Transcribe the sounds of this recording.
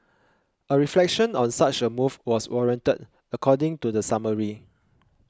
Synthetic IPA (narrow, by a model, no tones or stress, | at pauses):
əɹiflɛkʃə̃nɔ̃nsat͡ʃəmufwɔswɔɹiə̃ntəd | əkʰɔdɪ̃ŋtudəsaməɹi